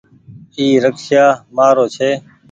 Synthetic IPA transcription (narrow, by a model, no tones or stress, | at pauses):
iːɾəkʃjaːmaːɾoːt͡ʃʰeː